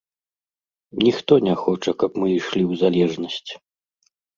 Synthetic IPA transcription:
nʲixt̪ɔnʲɛxɔt͡ʂɐkɐpmɨiʂlʲiwzalʲɛʐnɐsʲt͡sʲ

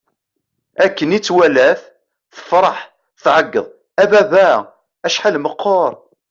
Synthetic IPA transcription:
ækːənit͡sːwælæθ | θə̥fɾˤɑħ | θʕəɡːə̰ðˤ | æbæbæ | æʃħalməqʰːoɾˤ

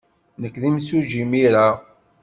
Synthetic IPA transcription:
nəkːðimsuʒimiɾa

